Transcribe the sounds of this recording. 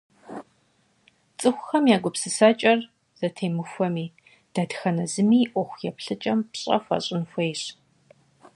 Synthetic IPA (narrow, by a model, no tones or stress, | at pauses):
t͡sʼɨxʷʊxɐmjaːɡʷʊpsɨsaːt͡ʃʼɐr | z̥ɐtʰeːmɨxʷɔmiː | d̥aːdxɐnɐzɨmiːʔʷɔxʷjɛpɬɨt͡ʃʼɐmpɕʼɐ̰fʷɐ̰ɕʼɪnxʷejɕ